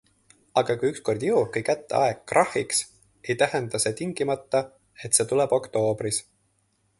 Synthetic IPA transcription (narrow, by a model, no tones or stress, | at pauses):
ɑɡ̥ɑkujyksko̞rd̪̥jɤw̚kujkæt̪ːḛɑekːrɑhiks | e̞jt̪æɦend̪̥ɑse̞ːt̪iŋɡ̥imɑt̪ːɑ | e̞t̪ːse̞ːt̪ulɛbo̞kt̪o̞ːbris